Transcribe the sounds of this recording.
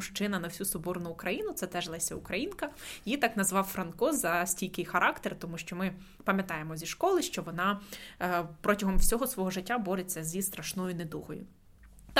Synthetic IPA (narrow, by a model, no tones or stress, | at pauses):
ʃt͡ʃɪnɐnɐwsʲusɔbɔrnʊːkɾɐjinʊt̪sɛt̪ɛʒlˠɛsʲɐʊkɾɐjinkɐjit̪ɑknɐzʋɑwfɾɐnkɔzɐsʲtʲilʲkɪjxɐɾʔɑkt̪ert̪ɔmuʃt͡ʃɔmɪ | pɐmʲjɐt̪ɑjemɔzʲiʃkɔlˠɪʃt͡ʃɔʋɔnɑ | pɾɔtʲɐɦɔmwsʲɔɦɔsʋɔɦɔʒɪtʲːabɔɾet͡sʲːɐzʲist̪ɾɐʃnɔjʊned̪uɦɔjʊ̰ | t̪